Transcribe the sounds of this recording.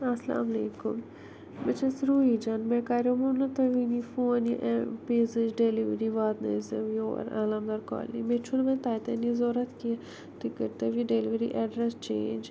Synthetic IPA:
ɐsla̰ːmɐleːkṵm | mət͡ʃʰɐsɾuːid͡ʒanmekaːɾjomunɐt̪ɐʋiːnifoːniʔpeːzɨd͡ʒɖeliʋɾiʋaːd̪nɐ̰zɐʋjo̰ːɾa̰ːlamd̪ɐɾkɔ̰ːlḭmet͡ʃʰulmɛ̃nt̪aːjt̪ɐnizoːɾɐt̪ki | t̪ikəɾt̪ɐʋiɖeliʋɾḭʔɛɖɾɛst͡ʃeːnd͡ʒ

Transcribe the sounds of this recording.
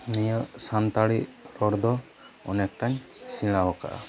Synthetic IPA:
nijəʔsant̪aɽiʔɾɔɽd̪ɔ | ɔnɛk̚ʈaɲ | siɽ̃awaka̰ʔa̰

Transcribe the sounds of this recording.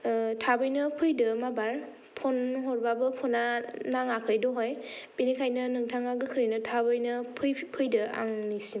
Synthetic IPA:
tʰabɯjnɯpʰɯjdɯmabaɾ | pʰɔnɦɔɾbabɯpʰɔnanaŋakʰɯjdɔɦojpinikʰajnɯnɯŋtʰaŋaɡɯkʰɯɾinɯtʰabɯjnɯpʰɯjpʰɯjdɯa̰ŋnisim

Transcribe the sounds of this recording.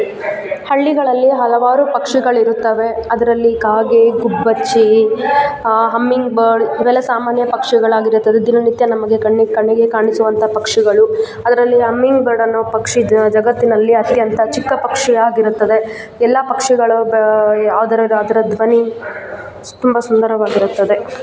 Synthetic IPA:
hɐɭːiɡɐɭɐlːiɦɐlɐʋaːɾupɐkʂiɡɐɭiɾut̪ːɐʋe̞ɐd̪ɐɾɐlːikaːɡeɡubːɐt͡ʃːi | ɦɐmːiŋɡbɐɾɖʋɛlɐsaːmaːnjɐpɐkʂiɡɐɭaːɡiɾut̪ːɐd̪ed̪inɐnit̪jɐnɐmɐɡe̞kɐɳːikɐɳːiɡekaːɳisuʋɐnt̪ʰɐpɐkʂiɡɐɭu | ɐd̪ɐɾɐlːiɦɐmːiŋɡbɐɾɖɐnːoːpɐkʂid͡ʒɐɡɐt̪ːinɐlːiɐt̪jɐnt̪ɐt͡ʃikːɐpɐkʂijaːɡiɾut̪ːɐd̪e̞ | ɛlːɐpɐkʂiɡɐɭu | aːd̪ɐɾɐɾɐd̪ɐɾɐd̪ʋɐni | t̪umbɐsund̪ɐɾɐʋaːɡiɾut̪ːɐd̪e̞

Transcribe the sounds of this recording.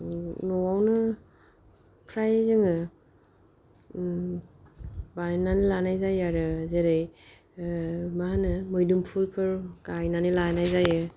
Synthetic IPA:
nɔwawnɯ | pʰɾajzɯŋɯ | baɾenːanilanajzajaɾɯzeɾɯj | maɦanɯmɯjdumpʰulpʰɯɾkajnanilanajzajɯ

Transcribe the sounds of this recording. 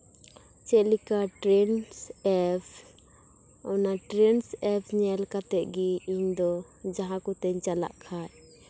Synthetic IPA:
t͡ʃɛlikaʈɾɛnsɛpʰ | ɔnaʈɾɛnsɛpʰɲɛlkat̪ɛt̪̚ˀɡiiɲd̪ɔ | d͡ʒaɦãkut̪ɛɲt͡ʃala̰ʔkʰaʔ

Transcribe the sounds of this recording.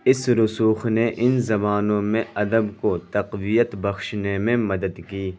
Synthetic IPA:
ɪsɾʊsuːxneʔɪnzɐbaːnõmẽɐd̪əbkot̪ɐqwijət̪bɐxʃnemẽmɐd̪əd̪kiː

